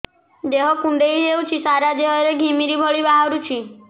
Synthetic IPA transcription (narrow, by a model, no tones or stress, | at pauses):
d̪eɦɔkũɳɖejewt͡ʃʰisaɾad̪eɦɔɾeɡʱimiɾibʱɔɭibaɦɔɽut͡ʃʰi